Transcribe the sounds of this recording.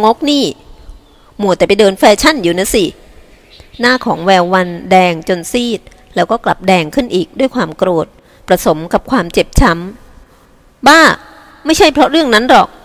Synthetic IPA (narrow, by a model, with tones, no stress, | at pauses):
ŋo˦˥k̚niː˥˩ | mu˨˩t̪ɛː˨˩pa˧jdɤː˧nfɛː˧t͡ɕʰa˥˩njuː˨˩na˧˥si˨˩ | naː˥˩kʰɔː˩˦ŋwɛː˧wːa˧ndɛː˧ŋt͡ɕo˧nsiː˥˩t̪̚ | lɛː˦˥wkɔː˥˩kla̰˨˩p̚dɛː˧ŋkʰɯ˥˩nʔiː˨˩k̚du˥˩əjkʰwaː˧mkɾoː˨˩t̪̚ | pɾa˧so˩˦mka˨˩p̚kʰwaː˧mt͡ɕe˨˩p̚t͡ɕʰa˦˥m | baː˥˩ | ma˥˩jt͡ɕʰa˥˩jpʰɾɔ˦˥ɾɯ˥˩əŋna˦˥nlɔ˨˩k̚